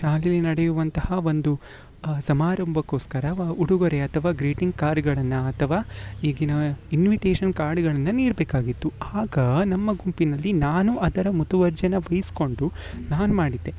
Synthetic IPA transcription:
ʃaːlilinɐɽejuʋɐnt̪ɐhɐʋo̞nd̪u | sɐmaːɾɐmbʱɐkːo̞ːskɐɾɐuɽuɡɐɾeɐt̪ʰɐʋaːɡɾiːʈiŋɡkaːɾɖɡɐɭɐnːɐɐt̪ʰɐʋaːiːɡinɐinʋiʈeːʃɐnkaːɾɖɡɐɭɐnːɐniːɾɐbeːkaːɡit̪ːuaːɡɐnɐmːɐɡumpinɐlːinaːnuʔɐd̪ɐɾɐmut̪uʋɐɾd͡ʒɐnɐʋɐjisko̞ɳɖunaːnumaːɽid̪ːe̞

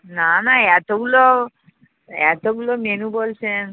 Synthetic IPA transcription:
nanaɛt̪oɡulo | ɛt̪oɡulomenũbolsen

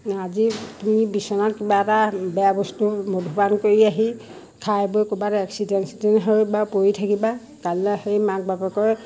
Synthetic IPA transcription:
azitumibisɔnatkibaɛtabɛjabɔstumodʱupankoɹiaɦi | kʰajbojkubatɛksidɛnsitinɦojbapojitʰakiba | kalɛhejmak̚bapɛkɔj

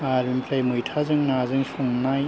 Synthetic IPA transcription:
aɾimpʰajmujtʰazɯŋnazɯŋsʰuŋnaj

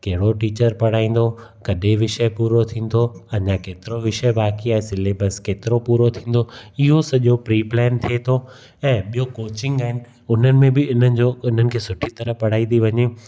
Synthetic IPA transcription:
kɐɦɪɽoʈiːt͡ɕəɾpɐɽ̤aːĩːn̆d̪o | kɐɗeʋɪʃəpuːɾot̪ʰĩːn̆d̪oɐɲãkeːt̪ɪɾoʋɪʃəbaːkiaːɦesɪlebəskeːt̪ɪɾopuːɾot̪ʰĩːn̆d̪oɪɦosɐʄopɾiːplɛːnt̪ʰiet̪ʰo | ɛ̃ːɓijokoːt͡ɕɪ̃ŋɡaːɦɪnɪ̆ | ʊn̤ənɪ̆mẽbɪʊn̤ənɪ̆d͡ʑoʊn̤ənɪ̆kʰeːsʊʈʰit̪ɐɾəpɐɽ̤aːĩd̪iʋɐɲe

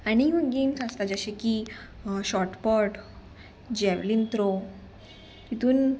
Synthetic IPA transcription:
añiɦunɡemsast̪ad͡zəɕeki | ɕɔɾʈpəɾʈ | d͡ʑɛʋlint̪ɾo | t̪it̪uːn

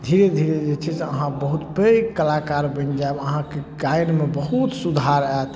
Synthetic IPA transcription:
d̪ʱiɾed̪ʱiɾed͡ʒet͡ʃʰɛseəɦãbəɦut̪pekəlakaɾbə̃nd͡ʒaebəɦãkekajnmebəɦut̪sud̪ʱaɾat̪

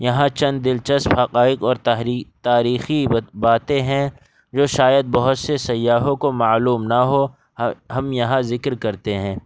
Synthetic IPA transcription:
jɐɦãt͡ʃɐ̃nd̪ːɪlt͡ʃɐsphɐqaːɪqɔːɾt̪aːɾiːxibaːt̪ẽɦɛ̃ | d͡ʒoːʃaːjəd̪̚bɐɦʊt̪sesɐjːaːɦõkomaːluːmnɐɦo | ɦɐmjɐɦãzɪkɾkɐɾt̪eɦɛ̃ː

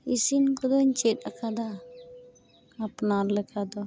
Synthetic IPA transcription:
isinkɔd̪ɔɲt͡ʃet̚ˀakʰad̪a | pnaɾlɛkad̪ɔ

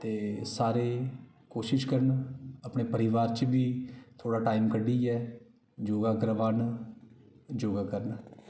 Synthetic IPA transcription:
t̪eːsaːɾeː | koːʃɪʃkəɾnəpɳeːpəɾɪʋaːɾt͡ʃbiːt̪ʰoːɽaːʈaːimkəɖiːɛː | d͡ʒoːɡaːkəɾʋaːn | d͡ʒoːɡaːkəɾn

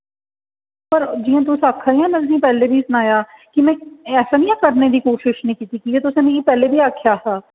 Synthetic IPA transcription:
pəɾd͡ʒiːãːt̪̬ʊsaːkʰːaːiãːmɛ̃ːt̪ʊs̬ĩːpɛːleːbʱiːsʊnaːjaːkɪmɛ̃ːɛːsaːnĩːãːkəɾneːd̪iːkoːʃɪʃnəĩːkiːt̪iːkiːeːt̪ʊsãːnẽiːpɛːleːbʱiːaːkʰjaːɦaː

